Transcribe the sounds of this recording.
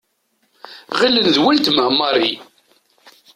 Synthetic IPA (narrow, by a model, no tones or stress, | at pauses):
ʁilːənðwælt̪məhmːɑɾi